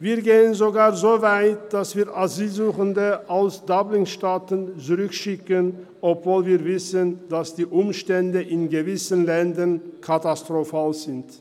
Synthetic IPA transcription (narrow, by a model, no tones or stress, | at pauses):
viːɐɡeːənzoɡaːɐzoːvaɪtd̥asv̥iːɐʔazyːlzuːχəndəʔalsd̥ɔblɪŋʃtaːtənt͡suʁʏkʃɪkən | ʔɔpv̥oːlviːɐvɪsənd̥asd̥iːʔʊmʃtɛndəʔɪnɡəvɪsənlɛndɐnkʰatastʁ̥ofaːlzɪnt